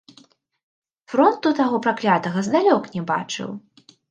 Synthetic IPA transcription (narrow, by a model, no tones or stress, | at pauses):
fɾɔnt̪ut̪aɣɔpɾaklʲat̪ɐɣɐzd̪alʲɔknʲɛba̰t͡ʂɨ̰w